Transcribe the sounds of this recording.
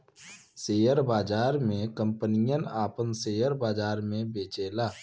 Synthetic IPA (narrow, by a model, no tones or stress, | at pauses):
seːjəɾbaːd͡ʒaːɾmẽkə̃mpənijənaːpənseːjəɾbaːd͡ʒaːɾmẽbeːt͡ʃeːlaː